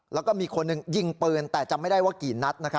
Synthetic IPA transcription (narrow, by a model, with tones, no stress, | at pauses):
lɛː˦˥wkɔː˥˩miː˧kʰo˧nːɯ˨ŋji˧ŋpɤː˧nt̪ɛː˨˩t͡ɕa˨˩ʔma˥˩jda˥˩jwaː˥˩kiː˨˩˦nna˦˥t̪̚na˦˥kʰ